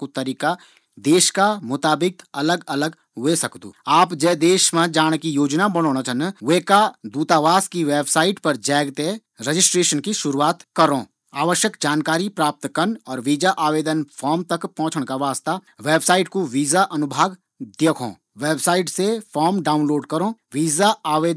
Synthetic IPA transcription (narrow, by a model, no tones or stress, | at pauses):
kut̪ɐɾiːka | d̪eːʃkamʊt̪aːbɪkɐləɡɐləɡ | ɦesɐkd̪ṵːaːpd͡ʒɛːd̪eːʃmãd͡ʒaːɽ̃kijoːd͡ʒnabɐɽ̃oːɽ̃at͡ʃʰənʋeːkad̪uːt̪aːʋaːskiʋeːbsaːɪʈpɐɾd͡ʒɛːɡt̪e | ɾəd͡ʒɪsʈɾeːʃənkiʃʊɾuaːt̪kɐɾõː | aːʋəʃjəkd͡ʒaːnkaːɾipɾaːp̚t̪kɐnɔːɾʋiːd͡ʒaʔaːʋeːd̪ənfʰɔːɾmt̪ɐkpɔ̃ɦt͡ʃʰəɽ̃kaʋaːst̪a | ʋeːbsaːɪʈkoʋiːzaʔɐnʊbʱaːɡ | d̪eːkʰõ̰ː | ʋeːbsaːɪʈsefʰɔːɾmɖaːʊ̃nloːɖkɐɾõːʋiːzaaːʋeːd̪